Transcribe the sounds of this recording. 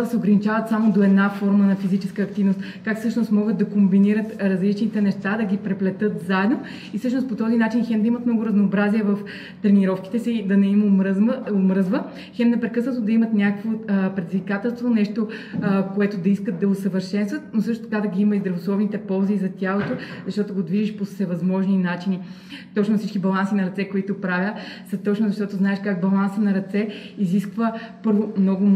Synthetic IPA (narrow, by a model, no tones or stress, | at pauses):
d̪ɐsɛoɡɾɐnit͡ʃavət̪samod̪oɛd̪nafɔɾmənɐfizit͡ʃɛskəːk̚t̪ivnost̪ | kakfsɤʃnost̪mɔɡət̪̚d̪ɐkombiniɾət̪ɾɐzlit͡ʃnit̪ɛnɛʃt̪ad̪ɐɡʲipɾɛplɛt̪ɤt̪zaɛd̪no | isɤʃ̬nost̪pot̪ɔzinat͡ʃinxɛnd̪ɐimət̪mnɔɡʊɾɐznoːbɾaziɛvɐf | t̪ɾɛniɾɔfki̥t̪ɛsid̪ɐnɛimoɾomɾɤzvə | xɛmnɛpɾɛkɤsnət̪od̪ɐimət̪nʲakəkvopɾɛd̪ʲizvikat̪ɛlˠst̪vonɛʃt̪okoɛt̪od̪ɐiskət̪d̪ɐosəvəɾʃɛnst̪vət̪̚nosɤʃt̪ot̪ɐ̥kad̪ɐɡʲiiməizd̪ɾɐvoslˠɔvnit̪ɛpɔlˠzizɐt̪ʲjalˠot̪ozɐʃt̪ɔt̪oɡod̪viʒiʃposɛvɐzmɔʒninat͡ʃini | t̪ɔt͡ʃnʊfsit͡ʃkibɐlˠansinɐɾɐt̪sɛkoit̪opɾavʲəsɐt̪ɔt͡ʃnʊzɐʃt̪ɔt̪oznaɛʃkaɡbɐlˠansənɐɾɐt̪sɛiziskvəpɤɾvomnɔɡʊ